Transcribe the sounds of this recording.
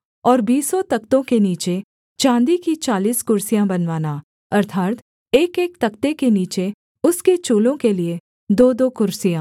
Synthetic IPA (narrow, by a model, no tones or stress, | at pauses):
ɔːɾbiːsɔt̪ɐkt̪õkeniːt͡ʃe | t͡ʃãːnd̪ikit͡ʃaːliːskʊɾsijãbɐnʋaːna | ɐɾt̪ʰaːt̪ | eːkeːk̚t̪ɐkt̪ekeniːt͡ʃe | ʊsket͡ʃuːlõkelie | d̪oːd̪okʊɾsijãː